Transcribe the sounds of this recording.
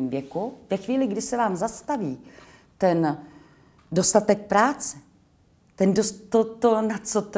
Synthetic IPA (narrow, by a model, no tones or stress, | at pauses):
mvjɛkuvɛxviːlɪɡdɪsɛvaːmzast̪aviː | t̪ɛn | do̞st̪at̪ɛk̚pɾaːt͡sɛ | t̪ɛndost̪ot̪onat͡so̞t̪